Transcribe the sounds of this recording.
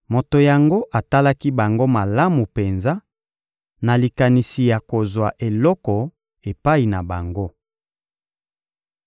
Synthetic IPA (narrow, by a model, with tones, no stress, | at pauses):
mo˨to˨ja˨ŋɡo˦ʔa˨ta˦la˦ki˦ba˨ŋɡo˦ma˨la˦mu˨pe˨nza˦ | na˨li˨ka˨ni˨si˨ja˨ko˨zwa˨ʔe˨lɔ˦kɔ˨ | e˨pa˦i˨na˨ba˨ŋɡo˦